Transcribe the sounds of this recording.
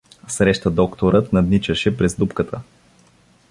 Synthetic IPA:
sɾɛʃt̪əd̪ɔkt̪oɾət̪nɐd̪nit͡ʃəʃɛpɾɛzd̪upkət̪ʰə

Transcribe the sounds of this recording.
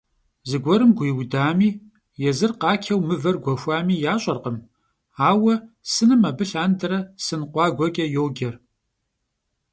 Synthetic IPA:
zɨɡʷɔɾɨmɡʷiːwdaːmiː | jɛzɨrqɑːkʰɐwmɨvɐrɡʷɔxʷaːmiːjaːɕʼɐrqəm | aːwɐ | sɨnɨmɐbɨɬaːndɐɾɐsɨnqʷɑːɡʷɔkʲʼɐjowɡʲɐr

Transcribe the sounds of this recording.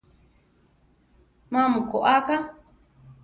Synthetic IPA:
mãmũkoʔaka

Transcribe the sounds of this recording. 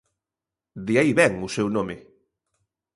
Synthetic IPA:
d̪iajβɛŋʊsɛwnome

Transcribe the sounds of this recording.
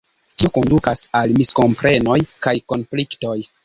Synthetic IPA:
tioko̞ndukasalmisko̞mpɾe̞no̞jkajko̞nflikto̞j

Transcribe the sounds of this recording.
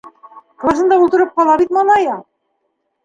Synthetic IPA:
klˠasɤ̆nd̪ɑulˠt̪ɤ̆ɾɤp̚qɒlˠɑbit̪mɑlˠɑjɑ

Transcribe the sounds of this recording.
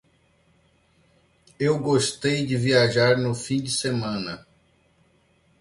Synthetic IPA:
ewɡoʃt̪ejd͡ʒɪviaʒaɾnʊfĩd͡ʒɪsemɐ̃nɐ

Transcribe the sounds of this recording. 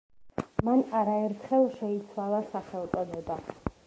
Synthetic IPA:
manaɾaɛɾt̪ʰχɛlˠʃɛit̪sʰwalˠasaχɛlˠt̪ʼɔnɛba

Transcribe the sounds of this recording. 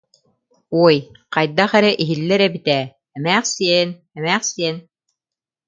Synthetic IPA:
uj | qɑjd̪ːɑχæɾæʔiɦilːɘɾæbit̪æ | æmæχsin | æmæχsen

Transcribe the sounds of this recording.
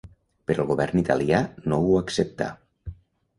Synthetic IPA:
pəɾəlˠɣuβɛrnit̪a̰lianouəksəp̚t̪a̰

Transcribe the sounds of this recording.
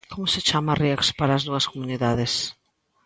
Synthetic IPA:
komoset͡ʃamɐriakspaɾaːzðuɐskomuniðaðɪs

